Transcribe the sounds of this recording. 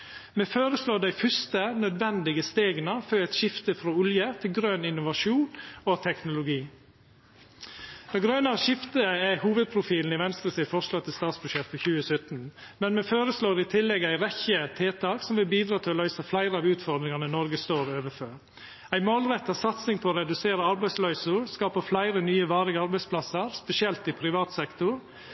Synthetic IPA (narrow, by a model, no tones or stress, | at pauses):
meːfoːɾəsloːd̪æɪfʏst̪ənœd̪ʋɛnd̪ɪɡəst̪eːɡənəfœːɛɪt̪ʃɪft̪əfɾɔʉljət̪ʰɪlɡɾøːnɪnʊʋɑʂuːnot̪ʰɛknʊlʊɡiː | d̪̥ɑɡɾœːnɑɾəʃɪft̪əɛhuːʋəd̪̚pʰɾʊfiːln̩ɪʋɛnst̪ɾəsɪfɔʂlɑːt̪ʰːɪlst̪ɑːt̪sbʉʂɛt̪ːpʰɔçʉːəsœt̪n | mɛnmɛføːɾəsloːɾɪt̪ʰɪlːɛɡəæɪɾɛçət̪ʰeːt̪ʰɑːksɔmʋɪlbiːd̪ɾɑːt̪ʰɪlɔlœʏsəflæɪɾəɑːʋʉːt̪fɔɾd̪ɾɪŋɑnənɔɾɡəst̪oːɾøːʋəføːɾ | æɪmoːlɾɛt̪ːɑsɑt̪sɪŋpʰɔːɾɛd̪ʉseːɾəɑɾbæɪslœʏsʊɾskɑːpəflæɪɾənyːəʋɑːɾɪɡəɑɾbæɪspʰlɑsəɾspɛsɪɛlt̪ɪpʰɾɪʋɑːt̪sɛkt̪ʊɾ